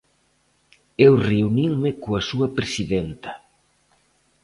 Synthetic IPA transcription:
ewreuniŋmɪkoɐsuɐpɾesiðent̪ɐ̥

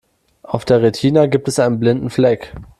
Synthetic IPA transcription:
ʔaʊfd̥eːɐʁetʰiːnaɡiːp̚tɛsʔaɪnənblɪndn̩flɛk

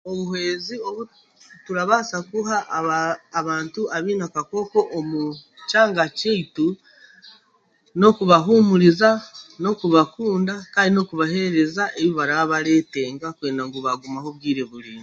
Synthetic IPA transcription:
o̞βuhe̞ːzio̞βu | tuɾaβasakuɦaʔː | βaːntuʔaβiːnakako̞ko̞ʔːmu | caːŋɡaceitu | no̞kuβaɦumuɾizano̞kuβakuːndakaːndino̞kuβahe̞ɾe̞zaʔe̞βiβaɾaβaɾe̞ːte̞ːŋɡakweːndaŋɡuβaɡumaho̞βɡiːɾe̞βuɾiːni

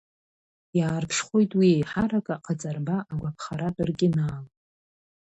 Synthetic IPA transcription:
jaːrpʰʂχʷo̞jtʼwiejħaɾakʼaqʰat͡sʼarbaʔaɡʷapʰχaɾatʼɨrɡʲʼɪnaːl

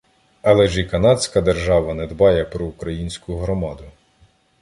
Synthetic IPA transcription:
ɐlˠɛʒikɐnɑd̪ʲsʲkɐd̪erʒɑʋɐnɛd̪bɑjɛpɾɔːkɾɐjinʲsʲkʊɦɾɔmɑd̪ʊ

